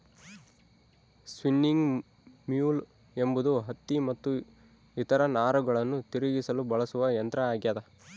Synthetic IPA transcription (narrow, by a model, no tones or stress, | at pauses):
sʋinːiŋɡ | mjuːl | embud̪uɦɐt̪ːimɐt̪ːu | it̪ɐɾɐnaːɾuɡɐɭɐnːut̪iɾiɡisɐlubɐɭɐsuʋɐjɐnt̪ɾɐaːɡjaːd̪ɐ